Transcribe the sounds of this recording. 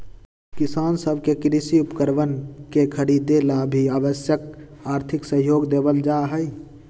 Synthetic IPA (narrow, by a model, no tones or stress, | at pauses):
kɪsaːnsəbʱkekɾisiʊpkəɾʋənkekʰəɾiːd̪elabʱiaːbəsjək | aːɾt̪ʰɪksə̃ɦjoːɡd̪eːbəld͡ʒaɦəi